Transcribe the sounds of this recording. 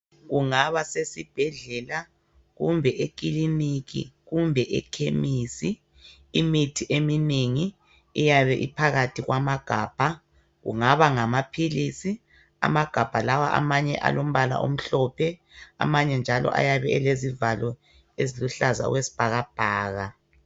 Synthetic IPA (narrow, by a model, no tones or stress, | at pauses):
ɣuŋaβasesib̥ʱɛɮɛla | ɣumbʱɛʔek̬ʼilinikḭɣumbʱɛʔɛ̰kʰemiːsiː | mitʰiʔemineŋi | ijaβɛʔipʰaɣatʰiɣwʔamaɡ̥ʱaːb̥ʱa | ɣṵŋaβaŋamapʰilisi | a̰maɡ̥ʱab̥ʱalawaʔa̰maɲɛ̰ʔa̰lom̩βala̰ʔo̰m̩ɬɔpʰɛa̰maɲɛnd͡ʒʱalɔ̰ʔa̰jaβɛɛlezivalɔ | eziluɬaza̰ṵɣwesi̥b̥ʱaɣab̥ʱaːɣa